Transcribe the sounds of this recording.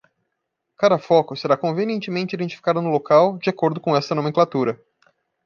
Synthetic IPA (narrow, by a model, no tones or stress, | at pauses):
kad̪ɐfɔkʊseɾakõveniẽnt͡ʃɪmẽnt͡ʃɪid̪ẽnt͡ʃifi̥kad̪ʊnʊlokawd͡ʒɪakoɾd̪ʊkõɛst̪ɐnõmẽŋklat̪uɾɐ